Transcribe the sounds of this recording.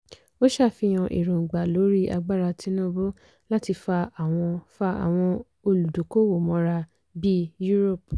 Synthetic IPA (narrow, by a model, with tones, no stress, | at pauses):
o˦ʃa˦˨fi˧j̃ɔ̃˧ʔḭ˨ɾõ˨ɡ͡ba˨lo˨˦ɾi˦a˧ɡ͡ba˦˨ɾa˧ti˨˦nũ˦bo˦ | la˦ti˧fa˧a˨w̃ɔ̃˧fa˧a̰˨w̃ɔ̃˧ | o˧lu˨do˨ko˦wo˨mɔ̃˨˧˦ɾa˧ | bi˦ju˦ɾo˦˨p̚